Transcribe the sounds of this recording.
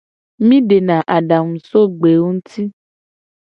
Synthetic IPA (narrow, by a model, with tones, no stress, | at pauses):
mĩ˦ɖe˨nã˨ʔa˨ɖa˨ŋũ˨so˦ɡ͡be˨wo˦ŋũ˦t̪i˦